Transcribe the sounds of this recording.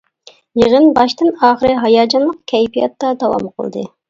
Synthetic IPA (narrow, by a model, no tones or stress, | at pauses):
jeʁənbɑʃt̪ɨnɑːχəɾɨɦɑjɑːd͡ʒɑnlˠəqkʲʰɛjpijɑ̰t̪ːɑd̪ɑwɑ̰mqʰə̰lˠd̪ɨ̰